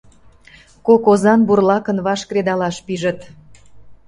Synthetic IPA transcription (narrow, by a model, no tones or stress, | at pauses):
kokozɑnburlɑkənβɑʃkred̪ɑlɑʃpiʒət̪